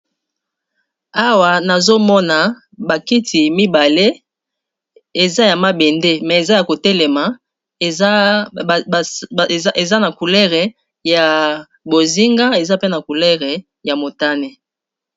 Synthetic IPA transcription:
a˦wa˨na˨zo˦mɔ˦na˨ | ba˨ki˦ti˨mi˦ba˨le˦ | e˨za˦ja˨ma˦bɛ˨nde˦mɛ˨e˨za˦ja˨ko˨tɛ˦lɛ˨ma˨˦˨ | e˨za˦na˨ku˨lɛ˦ʁe˨ | ja˨ | bo˨zi˦ŋɡa˦e˨za˦pe˦na˨ku˨lɛ˦ʁɛ˨ | ja˨mo˨ta˦ne˦

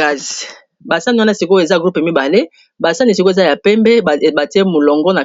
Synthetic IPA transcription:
a˨z | ba˨sa˦ni˦wa˦na˦˨si˨ko˦e˨za˦˨ɡʁu˦pe˨mi˦ba˨le˦ | ba˨sa˦ni˨si˨ko˦e˨za˦ja˨pɛ˦mbɛ˦˨ba˨ti˦e˦mo˨lɔ˨ŋɡɔ˦na˨

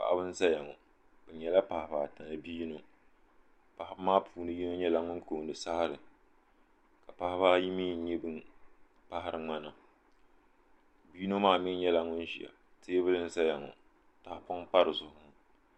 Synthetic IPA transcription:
pa̰˨ʔa˦bɨ˦n̩˦za˦ja˨ŋɔ˨ | bɛ˨ɲɛ˨la˦pa˨hɪ˨baː˨ta˨nɨ˨biː˦no˨ | pa˨hɪ˨˦bmaː˦pʰuː˨nɨ˦ji˦no˦ɲɛ˦la˨ŋʊ˦nko˨ndɨ˨sa˦ha˦ɾɨ˨ | ka˨pa˦hɪ˦baː˦ji˦miː˦n˦ɲɛ˦bɨ˦ | pa˦ha˦ɾɨ˨ŋ͡ma˦na˨ | biː˦no˦maː˦mi˦ɲɛ˦la˨ŋʊ˦nʒi˨a̰˨ | tʰeː˦bɨ˦lɨ˦n̩˦za˦ja˨ŋɔ̰˨ | ta˨hpʊ˦ŋpa˦ɾɨ˨zʊ˨hʊ˦ʊ˦

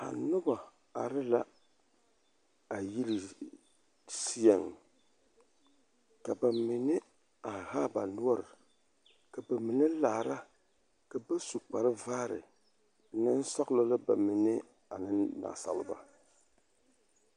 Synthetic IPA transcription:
a̰˨nʊ˦ba˨ | a̰˨ɾɨ˦la˦ | a˨ji˦li˨ | si˦ɛ˨ŋ | ka˨ba˨mi˨nɨ˦ | a˨haː˦ba˨nu˦ɔ˦ɾɨ˨ | ka˨ba˨mi˨nɨ˦la˨ɾa˦ | ka˨ba˦su˨k͡pa˨ɾɨ˦va˦ɾɨ̰˨ | nɨ˦n̩˦sa˦ɣlo˦la˦ba̰˨mi˨nɨ˦ | a˨nɨ˦na̰˨sa̰˨lɨ˦ba̰˨

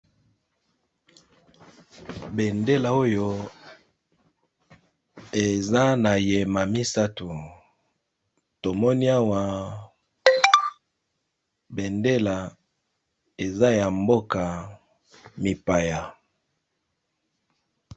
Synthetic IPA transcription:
be˨nde˦la˨o˦jo˦ | e˨za˦na˨je˨ma˨mi˦sa˦tu˨ | to˨mɔ˦ni˦a˦wa˦ | be˨nde˦la˨ | e˨za˦ja˨mbo˦ka˨ | mi˨pa˨ja˨

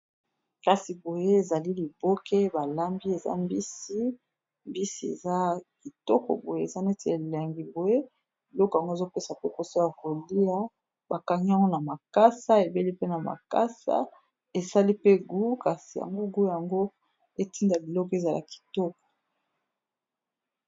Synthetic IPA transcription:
ka˨si˨bo˨je˦e˨za˨li˦li˨bo˦ke˦ba˨la˦mbi˦e˨za̰˦mbi˦si˦ | mbi˦si˦ḛ˨za˦ki˨tɔ̰˦kɔ̰˨bo˨je˦e˨za˦nɛ˦te˨a˨la˨ŋɡi˨bo˨je˦ | bi˨lɔ˦kɔ˨ja˨ŋɡo˦e˨zo˦pe˦sa˨pe˦ko˨so˦a˨ko˨li˦a˦ | ba˨ka˨ŋi˦a˦ŋɡo˦na˨ma˨ka˦sa˦e˨be˦li˦pe˦na˨ma̰˨ka˦sa̰˦ | e˨sa˦li˦pe˦ɡu˦ka˨si˨ja̰˨ŋɡo˦ɡu˦ja˨ŋɡo˦ | e˦˨ti˦nda˨bi˨lɔ˦kɔ˨˦e˨za˨la̰˨ki̥˨tɔ˦kɔ̥˨

